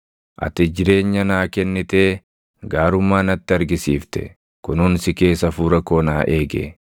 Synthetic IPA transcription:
ʔɐ̰t̪ɪd͡ʒɪɾe̞ːɲːɐnaːkɛnːɪt̪eː | ɡaːɾʊmːaːnɐt̪ːɪɐɾɡɪsiːft̪ɛ̰ | kʊnʊnsɪke̞ːsɐfuːɾɐko̞ːnaːʔe̞ːɡḛː

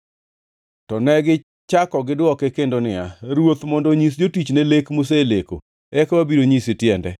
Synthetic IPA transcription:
tɔnɛɡɪ | t͡ʃakɔɡɪdwɔkekendonɪaɾwot̪mɔndɔɲis̬d͡ʒotit͡ʃnelekmʊs̬eleko̰ | ɛkwabiɾoɲisɪtjɛndɛ̰

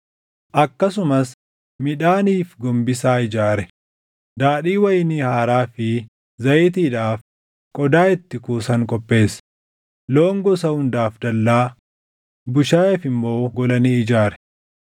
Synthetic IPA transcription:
ʔɐkːɐsʊmɐs | mɪᶑaːniːfɡɔmbɪsaːɪd͡ʒaːɾɛ | d̪aːᶑiːwɐjniːhaːɾaːfɪ | zɐjɪt̪̬iːᶑaːf | kʼɔd̪aːɪt̪ːɪkuːsɐŋkʼɔpʼːe̞ːs | loːŋɡɔsɐhʊnd̪aːfd̪ɐlːaː | bʊʃaːɛfɪmːo̞ːɡɔlɐniːɪd͡ʒaːɾɛ̥

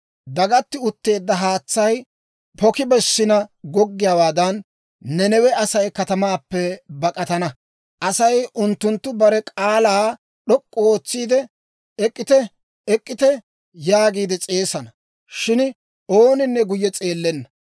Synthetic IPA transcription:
d̪ɐɡɐt̪ːɪʊt̪ːe̞ːd̪ːɐɦaːt͡sːɐj | pɔkɪbɛsːɪnɐɡɔɡːɪjaːwaːd̪ɐnː | ɛnɛwɛɐsɐjkɐt̪ɐmaːpːɛbɐkʼɐt̪ɐnɐ | ʔɐsɐjʊnt̪ːʊnt̪ːʊbɐɾɛkʼaːlaː | ɗɔkʼːɔoːt͡sːiːd̪ɛ | ɛkʼːɪt̪ɛ | ɛkʼːɪt̪ɛ | jaːɡiːd̪ɛt͡sʼe̞ːsɐnɐ | ʃɪn | oːnɪnːɛɡʊjːɛt͡sʼe̞ːlːɛnːɐ

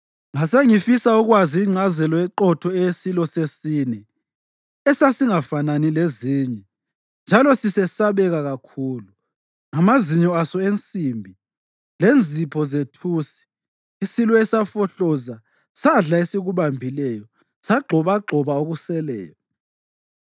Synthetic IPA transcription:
ŋaseŋifisauɣwaziːŋ͡ǀʱazɛlɔɛǃɔtʰɔɛjesilɔsesiːnɛ | ɛsasiŋafananileziːɲɛ | nd͡ʒʱalɔsisɛsaβɛɣaɣakʰuːlu | ŋamaziɲɔasɔent͡sʼimbʱi | lend͡zʱipʰɔzetʰusi̥ː | silɔɛsafɔɬɔza | saɮaesiɣuβambʱilɛjɔ | saɡ͡ǃʱɔβaɡ͡ǃʱɔβaoɣusɛlɛ̰ːjɔ

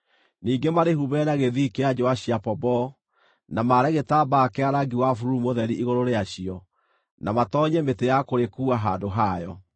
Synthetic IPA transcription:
niːɡemaɾehuβɛnaɣeðikead͡ʑowaɕiapɔbɔ | namaɾɛɣetabaːkeaɾaɡiwafuɾumoðɛɾiʔiɣoɾoɾeaɕiɔ | namatɔɲɛmetejakoɾekuːaɦadoɦajɔ

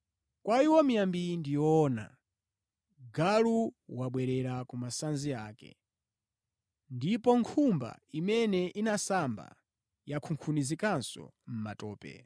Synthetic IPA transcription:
kwaiwɔmijambindijɔːna̰ | ɡaluwaɓwɛɾɛɾakumasanziaːkɛ̰ | ndipɔŋkʰumba̰imɛnɛʔinasamba̰ | jakʰuŋkʰunizikansɔ̰m̩matɔːpɛ̰

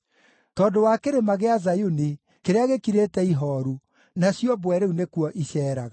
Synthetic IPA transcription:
tɔndowakeɾemaɣeazajuni | keɾeaɣekiɾetɛiɦɔːɾu | nasjɔbwɛɾeunekwɔʔiɕɛːɾaɣa

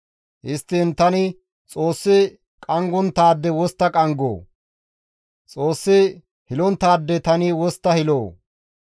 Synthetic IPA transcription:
hɪst̪ːint̪ɐnɪ | t͡sʼoːsːɪ | kʼɐŋɡɔnt̪aːd̪ːɛwɔst̪ːɐkʼɐŋɡo̰ː | t͡sʼoːsːɪ | hɪlɔnt̪aːd̪ːɛt̪ɐnɪwɔst̪ːɐhɪloː

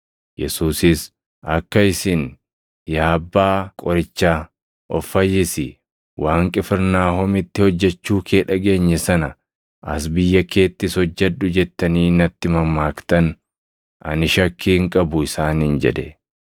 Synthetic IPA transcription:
jɛ̰suːsɪs | ʔɐkːɐɪsɪn | jaːbːaːkʼɔɾɪt͡ʃːaː | ʔɔfːɐjːɪsɪ | waːŋkʼɛfɪɾnaːhɔmɪt̪ːɪhɔd͡ʒːɛt͡ʃːuːkʰeːᶑɐɡe̞ːɲːɛsɐnɐ | ʔɐ̰sbɪjːɐke̞ːt̪ːɪshɔd͡ʒːɛᶑʊd͡ʒɛt̪ːɐniːnɐt̪ːɪmɐmːaːkt̪ɐn | ɐ̰nɪʃɐkʰːiːŋkʼɐbʊɪsaːnɪnd͡ʒɛ̰d̪ɛ

